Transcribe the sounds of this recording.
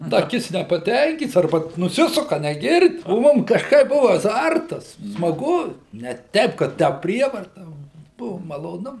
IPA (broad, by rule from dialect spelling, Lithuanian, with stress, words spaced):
dɐ ˈkʲɪts nʲɛpɐˈtʲɛŋʲkʲiːts ɐrˈbɐ nʊˈsʲɪsʊkɐ nʲɛɡʲɪrʲtʲ oː ˈmʊm kɐʃˈkɐɪp ˈbʊʋɐ ɐˈzɐrtɐs smɐˈɡʊ nʲɛ ˈtʲɛɪp kɐt ˈtʲæː ˈpʲrʲiɛʋɐrtɐ ˈʋɐ ˈbʊʋoː mɐlˠoːˈnʊ